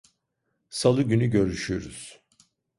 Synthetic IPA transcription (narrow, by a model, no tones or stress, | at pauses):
salˠɯɟynyɟø̞ɾyʃyjoɾṵz̥